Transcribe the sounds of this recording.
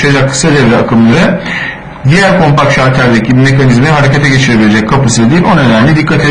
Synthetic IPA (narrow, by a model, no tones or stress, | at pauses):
ad͡ʒakʰːɯ̥sad̪evɾɛakʰɯmlˠaɾɯ | d̪ijæɾkʰo̞mpakʃaɾt̪ʰæɾd̪ecʰibime̞kanizminɦaɾecʰet̪ʰɛɟe̞t͡ʃʰiɾe̞bilʲed͡ʒɛc̚kʰːapʰɯsɯid̪iːlʲo̞nønæmlʲid̪ikʰːat̪ʰe